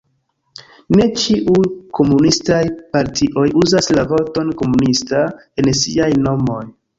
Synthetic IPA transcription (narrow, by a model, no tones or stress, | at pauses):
ne̞t͡ʃiʔukʰo̞munistajpaɾtʰiʔo̞juzaslavo̞to̞nko̞munistae̞nsiajno̞mo̞j